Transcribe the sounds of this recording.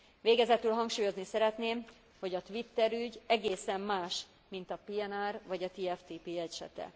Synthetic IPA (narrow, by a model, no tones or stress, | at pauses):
ʋeːɡɛzɛt̪ylɦɒŋkʃuːjo̞znisɛɾɛt̪neːm | ho̞ɟɒt̪ʋit̪ːɛɾyɟɛɡeːsɛmːaːʃ | mint̪ɒpiɛnarvɒɟɒt̪iɛft̪iːpiːɛcʃɛ̰t̪ɛ̰